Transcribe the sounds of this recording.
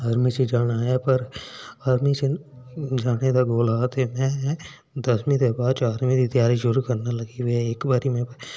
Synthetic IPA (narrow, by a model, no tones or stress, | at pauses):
ɐɾmised͡ʒaːnaːjapɐɾɐɾmise | d͡ʒaːned̪aɡoːlaːt̪emɛ̃ | d̪ɐsmĩd̪ebaːd̪̚t͡ʃaːɾmid̪id̪jaːɾiʃʊɾukɐɾnalɐɡiʋieːkbaɾimẽp